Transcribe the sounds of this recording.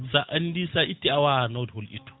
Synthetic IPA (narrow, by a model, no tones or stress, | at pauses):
saʔɐndisaʔitːiawanodhulḭtu̥